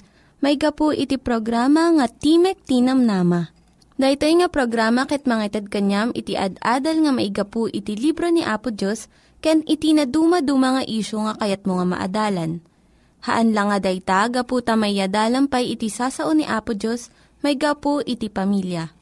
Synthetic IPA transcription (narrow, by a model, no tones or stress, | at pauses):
mɐjɡɐpoʔɪt̪ipɾoɡɾaːmɐŋɐt̪iːmɛk̚t̪inɐmnaːmɐ | d̪ɐjt̪ojŋɐpɾoɡɾaːmɐkɛt̪̚mɐŋat̪ɐd̪̚kɐɲamʔɪt̪iʔɐ̰d̪ʔaːd̪ɐlŋɐmɐʔɪɡɐpoʔɪt̪ilibɾoniʔaːpʊd͡ʒos | kɐjanʔɪt̪inɐd̪uːmɐd̪umɐŋɐʔiːʃoŋɐkɐjat̪̚moŋamɐ̰ʔɐ̰d̪aːlɐn | hɐ̰ʔɐnlɐŋɐd̪ɐjt̪aɡɐpuːt̪ɐmɐjjɐd̪aːlɐmpɐjʔɪt̪isaːsɐʔoniʔaːpʊd͡ʒos | mɐjɡɐpoʔɪt̪ipɐmiljɐ